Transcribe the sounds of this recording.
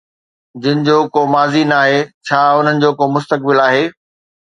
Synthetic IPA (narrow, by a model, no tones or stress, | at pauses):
d͡ʑɪnɪ̆d͡ʑoːkoːmaːzinaːɦeːt͡ɕʰaːʊn̤ənɪ̆d͡ʑoːkoːmʊst̪ək̚bɪlaːɦeː